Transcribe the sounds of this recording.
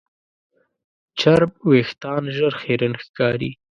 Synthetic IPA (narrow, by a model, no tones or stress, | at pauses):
t͡ʃaɾb̚wext̪ɑːnʒəɾxeɾənxkɑːɾḭ